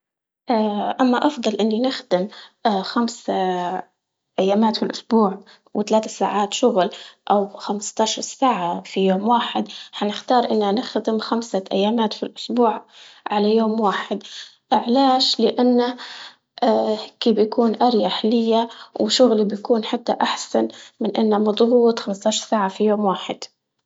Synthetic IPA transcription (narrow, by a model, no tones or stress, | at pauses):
ʔaʔamːaʔɑfd̪ˤɑlʔɪnːinɪxd̪ɪmːxamsa | ʔajːaːmaːt̪filʔʊsbuːʕ | wɪt̪alaːt̪asa̰ːʕaːt̪ʃʊɣlʔawxamst̪ɑʃɑɾˤsaːʕafijoːmwaːħɪd̪ħanɪxt̪ɑːɾˤʔɪnːanɪxd̪ɪmxamsaʔa̰jːaːmaːt̪filʔʊsbuːʕʕalajoːmwaːħɪd̪ | ʔɪʕlaːʃlɪʔanːa | ʔkiːbjakuːnʔaɾjaħalɪjːawɪʃʊɣlibjakuːnħat̪ːaʔaħsanmɪnʔɪnːamɑd̪ˤɣuːt̪xamst̪ˤɑːʃɑɾˤsaːʕafijoːmwaːħɪ̰d̪̥